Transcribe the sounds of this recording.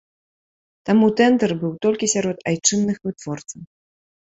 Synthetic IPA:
t̪amut̪ɛnd̪ɛrbɨwt̪ɔlʲkʲisʲaɾɔt̪ajt͡ʂɨnːɨxvɨt̪vɔrt̪sɐw

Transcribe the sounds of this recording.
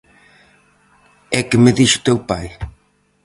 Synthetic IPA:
ɛkɪmɪðiʃʊ̥t̪ewpaj

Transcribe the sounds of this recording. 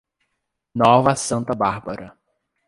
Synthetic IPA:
nɔvɐsɐ̃nt̪ɐbaɾbɐɾɐ

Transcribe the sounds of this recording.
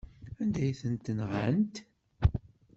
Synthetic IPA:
ænd̪æjθənt̪ənʁæ̰nt̪

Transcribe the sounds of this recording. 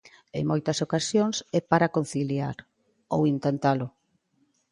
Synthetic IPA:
ḛŋmojt̪ɐsokasjoŋsɛpaɾakon̟θiliaɾ | owint̪ent̪alʊ

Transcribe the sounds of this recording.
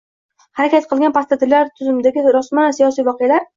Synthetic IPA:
haɾakʲʰat̪̚qʰɨlˠɡʲanpʰat̪at̪ʰɪlːaɾt̪ʰʊzɪmɪd̪aɡʲɪɾɒsmanasijɒsijvɒqʰɨjalaɾ

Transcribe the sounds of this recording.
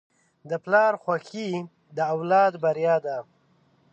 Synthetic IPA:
d̪əplɑɾxwaki | d̪əawlɑd̪baɾijɑːd̪a

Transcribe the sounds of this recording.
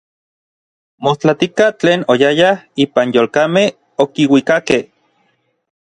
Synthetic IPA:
most͡ɬat̪ikat͡ɬeːnojajahiːpanjoːlkameh | okiwikakeh

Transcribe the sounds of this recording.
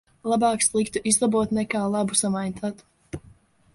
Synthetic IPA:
lˠabaːkslˠikt̪uʔizd̪ˠabuɔt̪nɛkaːlˠabusamajnʲt̪at̪u̥

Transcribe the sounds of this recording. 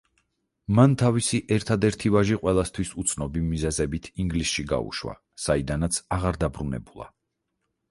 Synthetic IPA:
mant̪ʰavisiʔɛɾt̪ʰad̪ɛɾt̪ʰivaʒiqʼwɛlˠast̪ʰwisut̪sʰnɔbimizɛzɛbit̪ʰiŋɡlisʃiɡa̰ṵʃwa̰ | said̪anat̪sʰaʁaɾd̪abɾunɛ̰bulˠa̰

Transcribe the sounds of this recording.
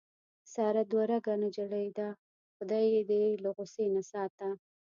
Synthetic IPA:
sɑɾad̪waɾaɡanad͡ʒaɽajd̪a | xʊd̪ɑjed̪elaɣʊsenasɑt̪a

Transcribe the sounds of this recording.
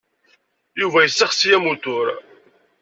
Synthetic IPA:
juvæjəsːəχsjæmut̪ʊɾ

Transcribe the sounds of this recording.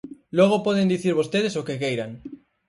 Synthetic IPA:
lɔɣ̞opɔðend̪iθiɾβost̪eð̞esokekejɾaŋ

